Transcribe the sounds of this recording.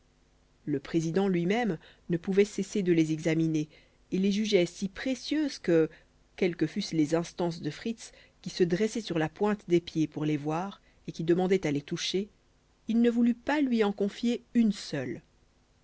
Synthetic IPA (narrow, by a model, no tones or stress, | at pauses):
ləpχezid̪ɑ̃lɥimɛm | nəpuvɛsesed̪əlezɛɡzamine | eleʒyʒɛsipχesjøzkə | kʲɛlkəfyslezɛ̃st̪ɑ̃s̬d̪əfχit̪s | kʲisəd̪ʁɛsɛsyʁlapwɛ̃t̪d̪epjepuʁlevwaːʁ | ekʲid̪əmɑ̃d̪ɛt̪alet̪uʃe | ilnəvulypalɥiɑ̃kɔ̃fjeynsœl